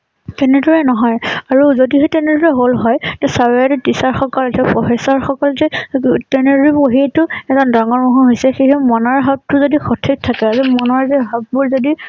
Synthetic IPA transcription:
tɛnɛdɔɹɛnɔɦɔjaɹuzodiɦɛtɛnɛdɔɹɛɦolɦɔjtɛsaɹaɾɛtisaɹxɔkɔltʰɛpɔɦɛsaɹxɔkɔlzɛtɛneɹiboɦietʊɛzɔndaŋɔɹmɔɦuɦojsɛxejɦɛmɔnɔɹɦap̚tʊzodixɔtʰik̚tʰakɛazɛmɔnɔɹzɛɦap̚bulzodi

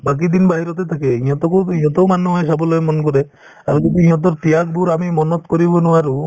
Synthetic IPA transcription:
bak̬id̪inbaɦiɾɔt̪et̪ʰakeĩjɔt̪ɔkuiɦɔt̪ɔmanuɦasabɔlɔemɔnkɔɾe | aɾkɔd̪iĩɦɔ̃t̪̬ɔɾt̪ijakbuɾamimɔnɔt̪kɔɾibɔnuwaɾu

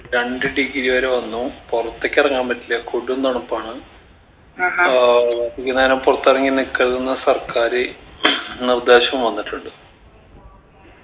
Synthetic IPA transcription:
ɾɐɳɖɨɖiɡiɾiʋɐɾeʋɐnːupurɐt̪ːekʲːɐrɐŋːaːmbɐtːiljɐkoɽuend̪ɐɳupːaːɳɨ | ikʲːinːɐːinompurɐt̪ːirɐŋːilnikːɐɾðunːɐsɐrkaːɾɨ | nird̪e̞ːɕɐʋumʋɐnːiʈːuɳɖɨ

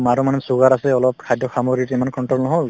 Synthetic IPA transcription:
maɹumanɛsuɡaɹasɛɔlɔp̚kʰajdʱjɔxamɔɡɹituimankɔnʈɹɔlnɔɦɔl

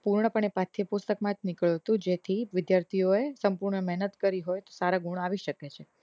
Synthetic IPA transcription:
puɾɳəpəɳepat̪ʰːipust̪əkmãd͡ʒnikɭjuɦət̪ũd͡ʒet̪ʰiʋɪd̪jaɾt̪ʰijoesəmpuɾɳəmɛɦnət̪kəɾiɦojt̪osaɾaɡuɽ̃aʋiʃəket͡ʃʰe

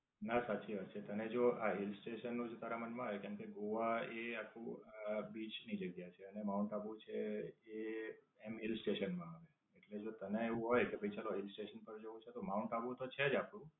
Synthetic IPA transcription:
nasat͡ʃiɦət͡ʃʰet̪əned͡ʒoaɦilsʈeʃənːũd͡ʒot̪aɾamənmãɦajkɛmkeɡoʋaeakʰũbit͡ʃnid͡ʒəɡjat͡ʃʰeənemaunʈabut͡ʃʰee | emɦɪlsʈeʃənmãaʋe | eʈled͡ʒot̪əneeʋũɦojkebʱəjt͡ʃaloɦɪlsʈeʃənpəɾd͡ʒəʋũt͡ʃʰet̪omaunʈabũt̪ot͡ʃʰed͡ʒapɽ̃ũ

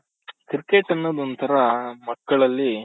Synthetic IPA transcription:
kɾkeːʈɐnːoːd̪ont̪ɐɾɐmɐkːɐɭɐlːi

